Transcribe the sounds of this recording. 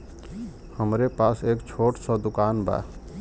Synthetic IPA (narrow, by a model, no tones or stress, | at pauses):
həmɾepaseːkt͡ʃʰoʈsʌd̪ʊkanba̰